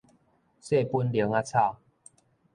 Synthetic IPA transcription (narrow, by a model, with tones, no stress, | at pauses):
se˥˨pu˦nljə˨˦ŋa˦t͡sʰa˥˧˨